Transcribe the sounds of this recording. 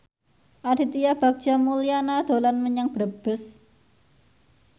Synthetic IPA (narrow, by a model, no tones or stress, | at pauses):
ʔad̥it̪ijab̥a̤k̚t͡ʃamulianad̪̥o̤lanməɲaŋb̥ɾəb̥əs